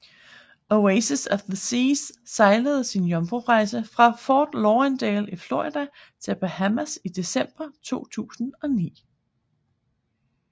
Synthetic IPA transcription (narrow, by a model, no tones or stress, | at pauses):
oeɪsəsɒfðəsiːsːɑ̈ɪləð̞̩ˠsinjɒmb̥ʁuʁɑ̈ɪsəfʁɑ̈fɒːd̥lɒːend̥ɛːlifloʁid̥æ | t͡sʰe̝lb̥ehæmæsid̥e̝sem̰b̥ɐt͡sʰo̝̰ːt͡sʰṵːsn̩ɒ̽nḭː